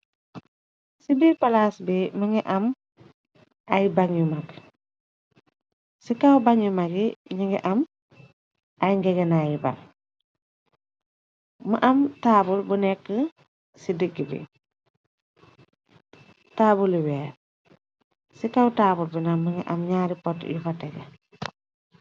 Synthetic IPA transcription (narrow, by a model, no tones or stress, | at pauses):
sibiːɾpɐlaːsbimɐŋɛʔɐm | ʔɐjbɐŋjumɐɡ | sikawbɐŋjumɐɡiɲiŋɡɛ̰ʔɐm | ʔɐjŋɡɛɡɛnaːjibɐ̰ŋ | mɐʔɐmtaːbulbunɛkːə | sidəɡːibḭ | taːbuliwɛːɾ | sikawtaːbulbunɐmɐŋɛ̰ʔɐmɲaːɾipɔtjufɐtɛɡɐ